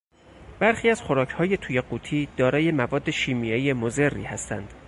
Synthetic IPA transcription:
b̥æɾxiːæz̥xoɾɒːcʰhɒːje̞t̪ʰuːjeɢuːt̪ʰiːd̪̥ɒːɾɒːje̞mævɒːd̪ːe̞ʃiːmijɒijemoze̞rːḭːhæst̪æ̰nd̪̥

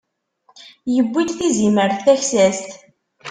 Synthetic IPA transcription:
jəbʷːid̪θiziməɾθθæçsæst̪

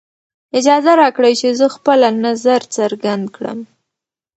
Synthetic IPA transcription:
ɪd͡ʒɑzaɾɑkɽajt͡ʃezəxpəlanazaɾt͡səɾɡand̪kɽə̰m

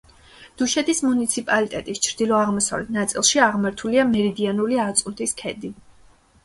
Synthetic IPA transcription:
d̪̥uʃɛt̪ʰismunit̪sʰipʼalit̪ʼɛt̪ʼist͡ʃʰɾd̪ilˠɔaʁmɔsa̰vlɛt̪ʰnat̪sʼḭlˠʃiaʁmaɾt̪ʰuliamɛɾid̪ianuliat̪sʼunt̪ʰiskʰɛd̪i

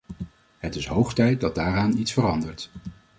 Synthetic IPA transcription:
ɦətɪsɦowχtɛjt̚dɑd̚daːɾaːnitsfərɑndəɹt

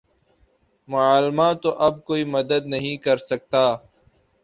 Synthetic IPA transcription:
mʊaːlmat̪oʔɐb̚koːiːmɐd̪əd̪̚nɐɦĩkɐɾsɐk̚t̪aː

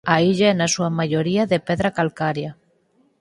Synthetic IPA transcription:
aiʎaenasuamaʝoɾiaðepeðɾakalkaɾja

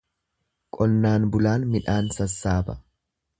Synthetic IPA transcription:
kʼɔnːaːnbʊlaːnmɪᶑaːnsɐsːaːbɐ̥

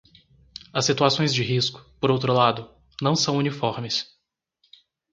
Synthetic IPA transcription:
ɐsːit̪uasõj̃zd͡ʒɪɦiskʊ̥poɾowt̪ɾʊlad̪ʊ | nɐ̃w̃sɐ̃w̃unifɔɾmɪs

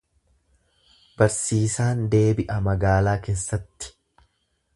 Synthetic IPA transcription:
b̥ɐɾsiːsaːnd̪e̞ːbɪʔɐmɐɡaːlaːke̞ːsːɐt̪ːɪ̥

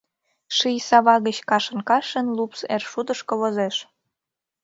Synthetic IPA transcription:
ʃijsɑβɑɣət͡ɕkɑʃə̆nkɑʃə̆nlupsḛrʃud̪əʃkoβozeʃ

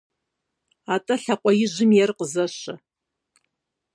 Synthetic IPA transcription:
atʼɐɬaqʷʼɔjɪʒʷɪmjɛrqʼəzɐʃɐ

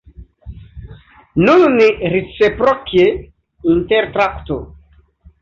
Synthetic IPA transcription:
nunniɾet͡sepɾokje | inteɾt̪ɾakto

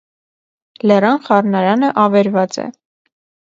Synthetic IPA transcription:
lɛrɑnχɑrnɑɾɑnəʔɑvɛɾvɑt͡sɛ̰

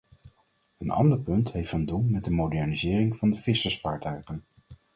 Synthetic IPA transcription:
ənɑ̰ndəɹpɵntɦejftəndulˠmɛd̚dəmowdɛɹnizɪːrɪŋv̥ɑndəv̥ɪsəsfaːɹtœɥχən

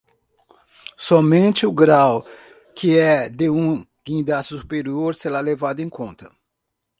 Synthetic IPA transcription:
sɔmẽnt͡ʃɪʊɡɾaw | kɪɛd̪eũ | ɡ̥ĩd̪assu̥peɾioɾseɾalevad̪ʊẽkõnt̪ɐ

